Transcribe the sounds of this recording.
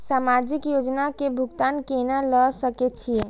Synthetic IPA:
samad͡ʒikjod͡ʒnakebʱuɡt̪ankenaləsəkɛt͡ʃʰije

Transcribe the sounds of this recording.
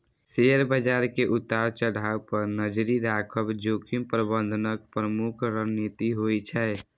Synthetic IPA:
seɾbəd͡ʒaɾkeʔut̪ːaɾt͡ʃəɽ̤aupəɾnəd͡ʒɾiɾakʰəbd͡ʒokʰimpɾəbə̃nd̪ʱənəkpɾəmukʰɾəɦnit̪iɦojt͡ʃʰɛ

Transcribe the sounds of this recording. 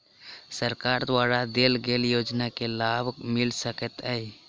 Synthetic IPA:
səɾkaɾd̪waɾad̪elɡeljoːd͡ʒnakelabʱmɪlsəkət̪əj

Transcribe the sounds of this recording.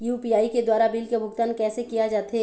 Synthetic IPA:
juːpiaːiked̪waːɾabiːlkebʱʊkt̪aːnkɛːsekijad͡ʒaːt̪ɦe

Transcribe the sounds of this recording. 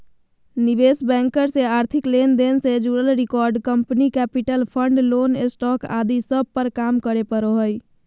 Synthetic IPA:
niʋesbɛ̃ŋkəɾseaɾt̪ʰiklend̪ensed͡ʒuɾəlɾikɔɾɖkəmpnikɛpiʈəlpʰəɳɖlonesʈɔka̰d̪isəb̚pəɾkamkəɾepəɾoɦəj

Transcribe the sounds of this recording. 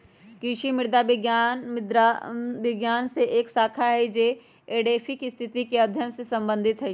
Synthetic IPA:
kɾiʃimɪɾd̪abɪɡjaːnɪd̪ɾaʋɪɡjaːnseʔeːksaːkʰaɦɛd͡ʒe | eːɖeːfʰɪkɪst̪ʰɪt̪ikeɐd̪ʱjənsesɐ̃mbə̃nd̪ʱɪt̪ɦɛ

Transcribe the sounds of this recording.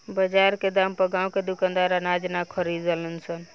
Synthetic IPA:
bəd͡ʒaɾked̪aːmpəɡãːwked̪ʊkãnd̪aɾanad͡ʒnakʰəɾid̪ələnsən

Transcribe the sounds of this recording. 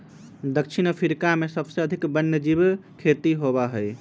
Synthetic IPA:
d̪əkʃʰinpʰiɾkamesəbseəd̪ʱikbənjəd͡ʒibkʰet̪iɦobaɦəj

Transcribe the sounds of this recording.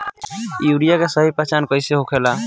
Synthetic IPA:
juɽijakesəɦipɾat͡ʃankəɪseɦokʰela

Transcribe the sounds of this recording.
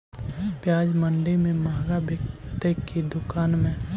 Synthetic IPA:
pjaːd͡ʒmə̃ɳɖemẽmaːɡabɪkt̪ekːid̪ʊkaːnmẽ

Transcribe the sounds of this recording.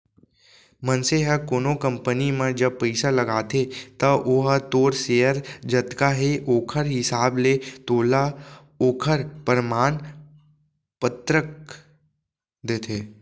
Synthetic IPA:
mənseɦəkoːnokə̃mpənimẽd͡ʒɐb̚pəɪsalɐɡaːt̪ʰet̪ɐʔoːɦət̪oːɾseːəɾd͡ʒət̪kaɦeʔoːkʰəɾɦɪsaːblet̪oːla | oːkʰəɾpəɾmaːn | pət̪ɾək̚ | d̪eːt̪ʰeː

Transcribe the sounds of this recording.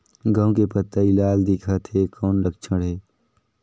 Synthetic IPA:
ɡə̃w̃kepət̪ːailaːld̪ɪkʰat̪ʰekʰɔːnlək̚t͡ʃʰəɽɦeː

